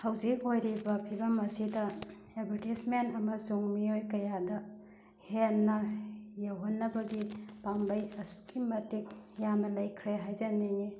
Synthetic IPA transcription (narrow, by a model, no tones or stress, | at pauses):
hɐwzik̚ojɾibɐpʰiɾɐmɐsidɐ | ebɐɾtismentɐmɐsuŋmiojkɐjadɐ | henːɐjɐwɦɐnːɐbɐɡipambɐjɐsu̥kimɐtik̚jamnɐlɐjkʰɾeɦajzɐnejŋi